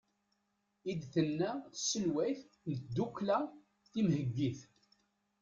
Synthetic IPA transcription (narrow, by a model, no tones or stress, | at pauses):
id̪θənːæsəlwæjθ | nət̪d̪ːukːlæ | θimhəɡːiθ